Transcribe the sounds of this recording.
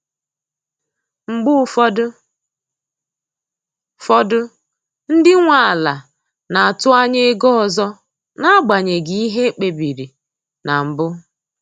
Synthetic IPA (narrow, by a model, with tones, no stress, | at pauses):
ŋ͡m̩˨ɡ͡bʊ˦˨˦d | fɔ˦dʊ˦ | n̩˦dɪ˦ŋʷa˨a˨la˨ | na˨a˨tʊ˦a˦ɲe˦e˦ɡɔ˦ɔ˨zɔ˦ | na˦ɡ͡ba˨ɲe˨ɡi˨i˦ɦe˦k͡pe˨bi˨ɾi˨ | na˨m̩˨bʊ˦